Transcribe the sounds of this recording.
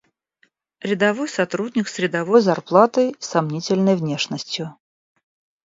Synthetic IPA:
ɾʲɪd̪ɐvojsɐt̪ɾudʲnʲɪksɾʲɪd̪ɐvojzɐrplˠat̪əjsɐmnʲitʲɪlʲnəjvnʲe̞ʂnəsʲtʲjʊ

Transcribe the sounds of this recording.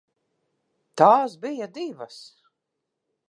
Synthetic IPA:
t̪aːsbijad̪ivas

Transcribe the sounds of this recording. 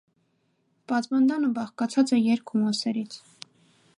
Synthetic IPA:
pɑt̪mɑnd̪ɑnəbɑχkɑt͡sʰɑt͡sɛjɛɾkʰumɑsɛɾit͡sʰ

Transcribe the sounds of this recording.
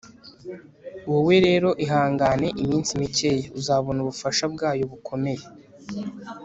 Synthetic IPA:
uwowe̞ɾe̞ːɾo̞ʔiɦaːŋɡane̞ʔimiːnsimice̞jeuzaːβo̞nuβufaʃabɡaːjoβukʰo̞me̞je̞

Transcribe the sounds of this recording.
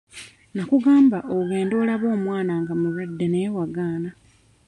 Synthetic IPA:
nakuɡaːmbaʔouɡe̞ːndo̞ːlaβo̞ːmwaːnaŋɡamuɾwadːe̞newaɡaːna

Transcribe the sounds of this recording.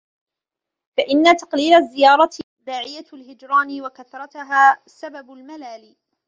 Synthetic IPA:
faʔɪnːat̪ɑ̥qliːlazːɪjɑːɾˤɑ | d̪aːʕɪjalɦɪd͡ʒɾˤɑːnɪwakaθɾˤɑt̪ɦaːsababʊlmalaːli

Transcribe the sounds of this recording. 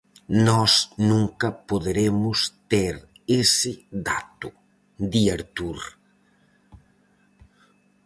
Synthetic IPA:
nɔsnũŋkɐpoðeɾemʊst̪eɾ | esɪdat̪ʊ | d̪iaɾt̪uɾ

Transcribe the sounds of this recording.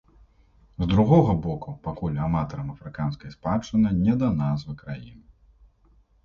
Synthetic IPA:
zd̪ɾuɣɔɣɐbɔkupakulʲamat̪ɔɾɐmɐfɾɨkanskɐjspat͡ʂːɨnɨnʲɛd̪ɐnazvɨkɾajḭnɨ

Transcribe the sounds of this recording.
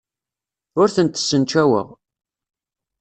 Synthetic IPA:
ʊɾθənt̪ə̥sːənt͡ʃæwə̰ʁ

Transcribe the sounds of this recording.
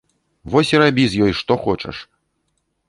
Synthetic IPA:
vɔsʲiɾabʲizʲjɔjʂt̪ɔxɔt͡ʂɐ̰ʂ

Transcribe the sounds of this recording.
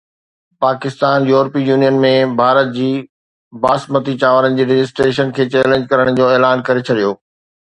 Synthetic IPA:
paːkɪst̪aːnjuːɾpijuːnijənmẽbʱaːɾət̪̚d͡ʑiː | baːsmət̪it͡ɕaːʋəɾənɪ̆d͡ʑiːɾɪd͡ʑɪsʈɾeːʃənkʰeːt͡ɕɛːlẽɲd͡ʑkɐɾəɽ̃d͡ʑoːeːlaːnkɐɾet͡ɕʰɐɗijoː

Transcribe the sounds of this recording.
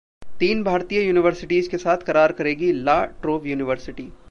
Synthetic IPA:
t̪iːnbʱaːɾt̪ijəjuːnɪʋəɾsɪʈiːzkesaːt̪ʰkɐɾaːɾkɐɾeːɡilaːʈɾoːʋjuːnɪʋəɾsɪʈiː

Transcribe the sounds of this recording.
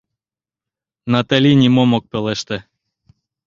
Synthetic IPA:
nɑt̪alʲinʲimomok̚pelɛʃt̪ĕ

